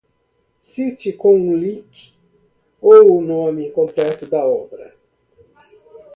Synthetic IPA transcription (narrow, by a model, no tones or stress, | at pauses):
sit͡ʃikõũlik | owunõmikõmplɛt̪ʊd̪ɐɔbɾɐ̰